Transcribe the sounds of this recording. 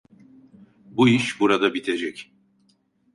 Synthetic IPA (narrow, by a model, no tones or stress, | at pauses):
buiʃbuɾad̪abit̪ʰe̞d͡ʒɛc